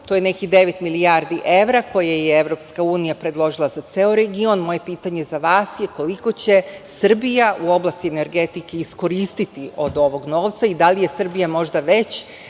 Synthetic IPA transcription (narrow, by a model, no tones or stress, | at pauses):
t̪ojene̞kid̪e̞ʋet̪milijaɾd̪iʔe̞ʋɾako̞jajeeʋɾo̞pskauːnijapɾe̞d̪lˠo̞ʒilˠazat̪seːoɾeɡio̞nmo̞je̞piːt̪aɲe̞zaʋaːsjeko̞liko̞t͡ɕe̞sr̩bijaʔuo̞blˠast̪iene̞ɾɡe̞t̪ike̞isko̞ɾiːst̪it̪iʔo̞d̪o̞ʋo̞ɡno̞ːʋt̪said̪alije̞sr̩bijamo̞ʒd̪aʋe̞t͡ɕ